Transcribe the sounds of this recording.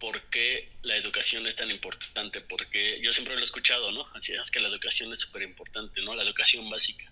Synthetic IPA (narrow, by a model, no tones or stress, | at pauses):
po̞ɾke̞lae̞ðukasjo̞ne̞st̪animpo̞ɾt̪ant̪e̞po̞ɾke̞ʝo̞sjempɾeloeskut͡ʃað̞o̞no̞asiḁkelae̞ðukasjo̞ne̞sːu̥pe̞ɾimpo̞ɾt̪ant̪e̞no̞lae̞ðukasjo̞mbasikḁ